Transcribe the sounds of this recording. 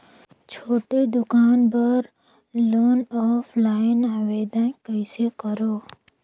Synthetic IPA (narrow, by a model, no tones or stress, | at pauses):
t͡ʃʰoːʈed̪ʊkaːnbəɾ | loːnɔːfʰlaːɪnaːʋeːd̪ənkəɪsekəɾoː